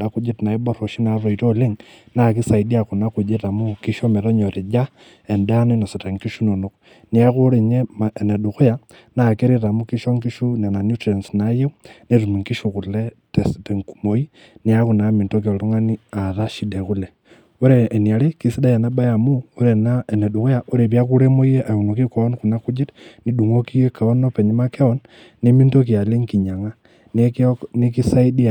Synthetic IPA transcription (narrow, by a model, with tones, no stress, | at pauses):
da˦ku˦d͡ʒe˦ti˨na˨ibo˦ɾo˨ʃi˦na˨ɾo˨i˨to˦le˦ŋna˨ki˦sa˨idi˦a˨ku˨na˦ku˨d͡ʒe˦ta˨muki˦ʃo˦me˨ɾo˦ɲo˨ɾe˨d͡ʒa˦ | e˨nda˦no˦i˦no˨si˨ta˨ŋki˦ʃu˦no˨nok | ni˦a˦kuɾe˨ɲe˦mae˨ne˨du˨xu˦ja | na˨ke˦ɾi˦ɾa˨mukiʃo˦ŋki˦ʃu˦ne˨na˨nju˦tɾe˨nsnaje˦une˦ɾu˨mi˨ŋki˦ʃukule | testeŋkumo˨i˦ | ni˦a˦ku˨na˨mi˨nto˦k̬i˨o˨lu˦ŋa˦ni˦a˨ða˦ʃi˦de˨ku˦le | wu˦ɾeː˨ni˨a˨le˦ki˦si˦da˦ja˨na˦ba˦ja˨mu˦o˦ɾe˨na˦e˨ne˨ɗu˨ko˦ja˨ʔo˦ɾe˨βja˦ku˦ɾe˦mo˦i˦je˦ʔa˨jo˨ŋo˨ki˦ko˨o˦nku˨na˦ku˦d͡ʒi˦ɾni˦ɗu˨ŋo˦ki˦je˦ka˨o˦no˦pe˨ɲi˦ma˦ke˦o˨nː | i˦mi˦nto˦k̬i˨a˨le˦ŋki˨ɲa˨ŋa˦ | ne˦kni˦ki˦sa˦i˦di˦˨